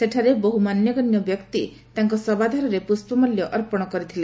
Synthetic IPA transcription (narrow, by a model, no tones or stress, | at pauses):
seʈʰaɾeboɦumanjɔɡɔnjɔbjɔkt̪i | t̪aŋkɔsɔbad̪ʱaɾɔɾepuspɔmɔljɔʔɔɾpɔɽ̃ɔkɔɾit̪ʰile